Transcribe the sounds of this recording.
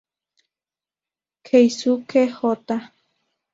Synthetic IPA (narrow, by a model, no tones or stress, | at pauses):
kʰejsukʰehot̪a